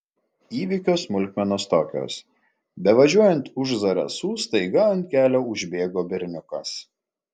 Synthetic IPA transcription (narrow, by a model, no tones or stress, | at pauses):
iːʋʲiːkʲoːsmʊlʲkʲmʲɛnoːst̪oːkʲo̰ːs | bʲɛʋɐʒʲuɔjɛnt̪ʊʒzɐɾɐ̰suːst̪ɐɪɡɐɐnʲt̪̚ʲkʲæːlʲoːʊʒʲbʲeːɡoːbʲɪɾʲnʲʊkɐs